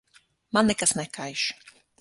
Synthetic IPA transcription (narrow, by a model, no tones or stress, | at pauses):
manɛkasnakajʃ